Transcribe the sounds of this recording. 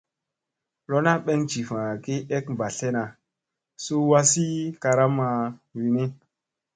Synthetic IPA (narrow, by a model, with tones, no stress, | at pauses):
lo˦na˦ɓe˦ŋt͡ʃi˨fã˨ki˦e˦kmba˨ɬe˦na˨ | su˦wa˦si˦ka˧ɾa˦ma˨wi˨ni˦